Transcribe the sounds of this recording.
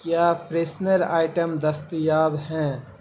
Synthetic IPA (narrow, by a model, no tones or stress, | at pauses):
kjaːpʰɾeːsnəɾa̰ːɪʈəmd̪ɐst̪jaːbɦɛ̃ː